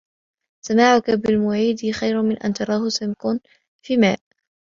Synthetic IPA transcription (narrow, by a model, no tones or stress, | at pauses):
samaʕʊkabɪlmʊʕiːd̪ɪxajɾmɪnʔa̰nt̪ɑɾˤɑːhʊsamkʊn | fiːma̰ːʔ